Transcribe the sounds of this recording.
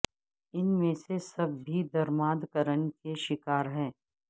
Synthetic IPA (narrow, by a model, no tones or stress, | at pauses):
ɪnmẽsesɐbːid̪ɐɾmaːd̪kəɾənkeʃɪkaːɾɦɛː